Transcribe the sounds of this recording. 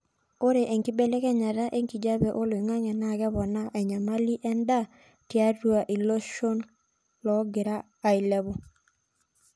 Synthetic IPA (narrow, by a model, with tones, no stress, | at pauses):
o˦ɾe˨ʔe˨ŋki˦be˦lɛ˦kɛ˦ɲa˨ɾa˦ʔe˦ŋki˨d͡ʒa˦bɛ˨ʔo˦lwi˨ŋa˦ŋɛ˨na˦˨ɡɛ˦βɔ˨na˦ʔɛ˨ɲa˨ma˦li˦ʔɛ˦nda˦˨ | tja˦ru˦a˨ʔi˨lo˦ʃo˦n | lɔ˨˦ɡɪ˨ɾaː˦˨i˨lɛ˦βʊ˨